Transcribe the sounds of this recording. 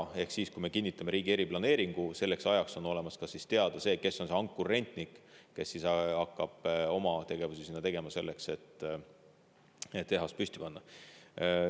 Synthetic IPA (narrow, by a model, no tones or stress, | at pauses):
e̞hksiːskujme̞kinːit̪ːˑɑme̞ɾiːɡ̥ie̞ɾiplɑne̞ːɾiŋɡ̥use̞lːe̞ksɑjɑkso̞no̞le̞mɑskɑsist̪e̞ɑd̪̥ɑse̞ːke̞sːo̞nseoŋkːˑure̞nt̪ˑnikke̞sːisɑɑkːɑb̥o̞mɑt̪e̞ɡ̥e̞vusisinːɑt̪e̞ɡ̥e̞mɑse̞lːe̞kse̞t̪ˑː | et̪ːe̞ɦɑst̪̚pysʲt̪i̥pɑnːɑ